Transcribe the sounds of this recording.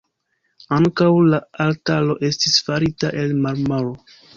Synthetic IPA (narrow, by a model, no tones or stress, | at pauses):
aŋkawlaaltalo̞ʔe̞stisfaɾitaʔe̞lmaɾmaɾo